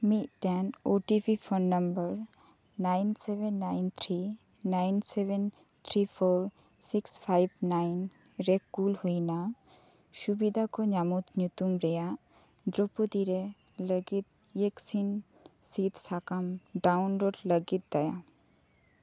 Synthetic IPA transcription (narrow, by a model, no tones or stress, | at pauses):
mit̪ɖɛnoʈipifʰɔnːəmbəɾ | najnsebenːajnt̪ʰɾi | najnseben | t̪ʰɾifʰoɾ | sikspʰajbnajn | ɾekːulhujna | ʃubid̪ʱakɔɲamut̪ɲut̪umɾɛja | d̪ɾopot̪iɾe | ləɡit̪̚ | jeksin | sit̪sakamɖawnloɖləɡit̪̚d̪ɛja